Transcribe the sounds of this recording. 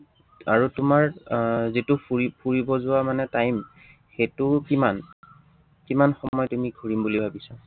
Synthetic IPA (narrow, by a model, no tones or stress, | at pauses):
aɹutʊmaɹzitʊpuipʰuɹibɔzʊwamanɛtajm | xetʊkiman | kimanxɔmɔjtumiɡʱuɹimbulibʱabisa